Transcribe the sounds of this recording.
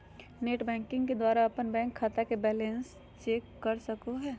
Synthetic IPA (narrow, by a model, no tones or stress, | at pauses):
neːʈbɛ̃ːŋkɪ̃ŋɡked̪waːɾaɐpənbɛ̃ːŋkʰːaːt̪akebɛːlẽns | t͡ʃeːkːəɾsəkoɦɛː